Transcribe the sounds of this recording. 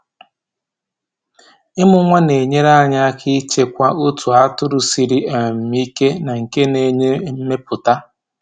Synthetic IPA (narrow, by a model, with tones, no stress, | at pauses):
ɪ˦mʊ˦ŋʷa˦ne˨ɲe˦ɾa˦˨ɲa˦a˦kʰi˦t͡ʃe˦kʷa˦ʊ˦tu˨a˦tʊ˦ɾʊ˨si˨ɾi˦a˨m̩˨mi˦ke˦na˨ŋ̩˨ke˦ne˦ɲe˦m̩˦me˦pʊ˨ta˦